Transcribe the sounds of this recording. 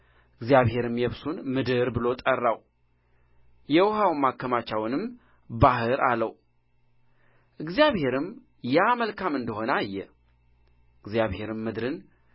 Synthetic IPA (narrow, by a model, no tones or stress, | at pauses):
ɨɡzjaβhe̞ɾɨmjɛβsunmɨd̪ɨɾbɨlo̞t̪ʼərːaw | jɛwʊɦawmːakːəmat͡ʃːawnɨm | baɦɨɾalːəw | ʔɨɡzijaβhe̞ɾɨm | jɛməlkʰamɨnd̪əho̞najːɛ | ɨɡzjaβhe̞ɾɨmːɨd̪ɾɨn